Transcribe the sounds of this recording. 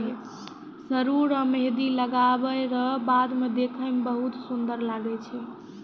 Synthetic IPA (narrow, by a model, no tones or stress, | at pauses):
səɾuɾəmed̪iləɡabəɾəɦbad̪med̪ekʰəmebəɦut̪sund̪əɾlaɡɛt͡ʃʰɛ